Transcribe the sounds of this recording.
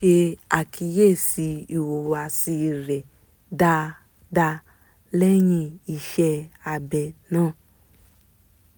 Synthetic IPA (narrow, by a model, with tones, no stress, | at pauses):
e˧a˨kʰi˧je˦˨si˧i˨wo˨wa˨si˧ɾɛ˨ | da˧ | da˧ | lɛ˦jĩ˧i˧ʃɛ˧a˧bɛ˧nãː˦˨